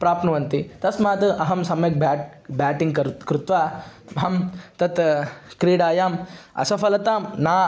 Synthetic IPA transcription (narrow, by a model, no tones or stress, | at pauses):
pɾaːpnɐʋɐnt̪it̪ɐsmaːt̪ʔɐɦɐmsɐmjɐk̚baːʈ | baːʈiŋɡkɐɾt̪kɾut̪ʋaːbɦɐmt̪ɐt̪kɾiːɽaːjaːmɐ̰sɐfɐlɐt̪aːmnaː